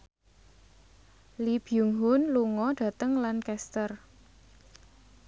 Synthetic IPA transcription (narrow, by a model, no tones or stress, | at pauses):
lib̥juŋɦʊnluŋɔɖ̥ä̤t̪əŋlankɛst̪ər